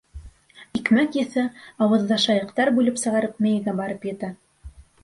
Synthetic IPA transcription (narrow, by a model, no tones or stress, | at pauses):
ikmækjɘ̆θɘɑwɤ̆ðːɑʃɑjɤ̆qt̪ɑɾbʉlɘpsɤ̆ʁɑɾɤp̚mɘ̆jɘ̆ɡæbɑɾɤpjɘ̆t̪æ